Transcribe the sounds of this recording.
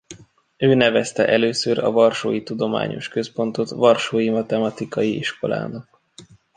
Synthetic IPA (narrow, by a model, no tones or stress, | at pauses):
øːnɛvɛst̪ɛʔɛløːsøɾɒ̰vɒrʃo̰ːjit̪ud̪o̞ma̰ːɲo̞̰ʃkø̞spo̞n̪t̪o̞t̪ʋɒrʃoːjimɒt̪ɛmɒt̪ikɒjiʔiʃko̞la̰ːnɒk̚